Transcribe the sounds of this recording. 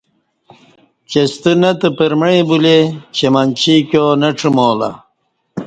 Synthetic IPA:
t͡ɕest̪ənɐt̪əpəɾmɳebulet͡ɕemɐnt͡ɕikjonɐʈ͡ʂʰumoːla̰

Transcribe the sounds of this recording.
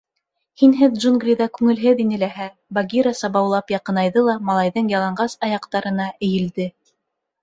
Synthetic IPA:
hinɦɘðʒunɡrʲiðɑkʉŋɘ̆lɦɘðinɘ̆læɦæ | baɡʲiɾasɑβɑwlˠɑpjɑqɤ̆nɑjðɤlˠɑmɑlˠɑjðɤɴjɑlˠɑɴɢɑsɑjɑqt̪ɑɾɤ̆nɑʔɘ̆jɘ̆ld̪ɘ

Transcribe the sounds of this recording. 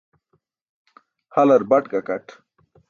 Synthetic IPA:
hɐlɐɾbɐʈkakɐʈ

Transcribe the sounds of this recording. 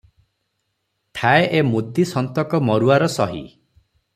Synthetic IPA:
ʈʰaeʔemud̪isɔnt̪ɔkɔmɔɾuaɾɔsɔɦḭ

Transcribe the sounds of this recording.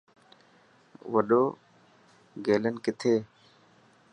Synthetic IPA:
ʋəɗoː | ɡeːlənkɪt̪ʰeː

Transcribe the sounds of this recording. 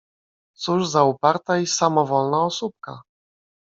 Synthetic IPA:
t̪suʐzaupaɾt̪aisamɔvɔlnaɔsup̚ka̰

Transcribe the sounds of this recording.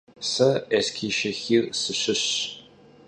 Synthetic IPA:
sɐɛskʰiːʃɐxirsɨɕɪɕ

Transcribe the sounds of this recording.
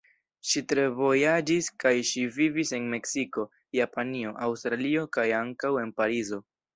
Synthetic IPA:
ʃitɾe̞vo̞jad͡ʒiskajʃivivise̞nme̞ksiko̞ | japanio̞ʔawstɾalio̞kajaŋkawe̞npaɾizo̞

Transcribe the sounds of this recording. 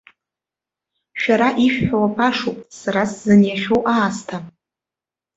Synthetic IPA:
ʃᶣaɾaʔiʃᶣħawapʰʼaʂopʼsaɾaszɨnjaʃᶣowʔaːstʰa

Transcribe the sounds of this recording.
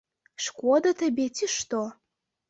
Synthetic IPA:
ʃkʷɔd̪ɐt̪ʰɐbʲet̪ʰiʃt̪o

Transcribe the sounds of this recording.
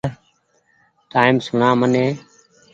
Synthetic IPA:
ʈaːimsʊɳãːmənẽː

